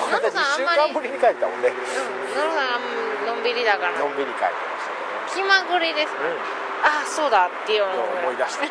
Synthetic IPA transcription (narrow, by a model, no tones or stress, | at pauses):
naɾasããmːaɾãmbɯɾʲiɲikaet̪et̪amõ̰nːẽ | naɾoosãɰ̃amːainõ̞mbiɾʲid̪akaɾanõmbiɾʲika̰et̪emast̪ | kʲimaɡɯ̟ɾʲid̪e̞sɨ̥k | aso̞ːd̪at̪ːeomooid̪aɕi̥